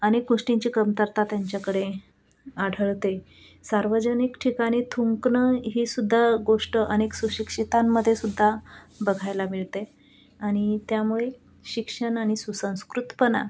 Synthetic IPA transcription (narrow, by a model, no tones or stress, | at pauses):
əñekɡoʂʈiɲt͡ɕikəmt̪əɾt̪at̪jaɲt͡ɕjakəɽe | aɽ̤ʱəɭt̪e | saɾʋəd͡ʑənikʈʰikañit̪ʰuŋknəɦiːsud̪ʱːaɡoʂʈəʔəneksuɕikʂit̪ãmːəd̪ʱːjesud̪ʱːabəɡʱajlamiɭt̪e | aɽ̃it̪jamuɭe | ɕikʂənaɽ̃isusə̃w̃skɾut̪pəna̰